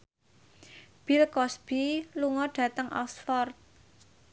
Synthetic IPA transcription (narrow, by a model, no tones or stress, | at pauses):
b̥ilkɔsb̥iluŋɔɖ̥ä̤t̪əŋʔɔ̰ksfɔrt̪̚